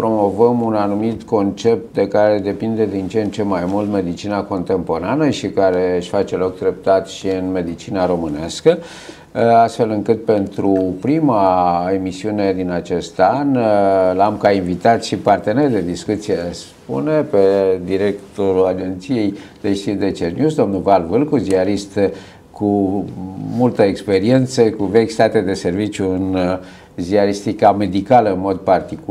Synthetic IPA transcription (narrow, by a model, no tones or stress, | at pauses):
pɾo̞mo̞vəmunanumit̪ko̞nt͡ʃe̞p̚t̪̚d̪e̞kaɾe̞d̪e̞pind̪e̞d̪int͡ʃeent͡ʃe̞majmult̪me̞d̪it͡ʃinako̞nt̪e̞mpo̞ɾanəʃikaɾe̞ɨʃʲfat͡ʃe̞lo̞k̚d̪ɾe̞p̚t̪at̪ʃiɨnme̞d̪it͡ʃinaɾo̞mɨnaskə | ast̪fe̞lɨŋkɨt̪̚pe̞nt̪ɾupɾimae̞misiune̞d̪inat͡ʃe̞st̪anlamkainvit̪at̪ʃipart̪e̞nerd̪e̞d̪iskut̪sijeas | pṵne̞pe̞d̪iɾe̞kt̪o̞ɾulad͡ʒe̞nt̪sije̞jd̪̥eʃt̪it̪d̪e̞t͡ʃernjusd̪o̞mnulvalvɨlkuziaɾist̪ | kʰu | mult̪əekspe̞ɾie̞nt̪səkuvekʲst̪at̪ed̪e̞se̞rvit͡ʃjuɨn | ziaɾist̪ikame̞d̪ikaləɨnmo̞d̪̚part̪ik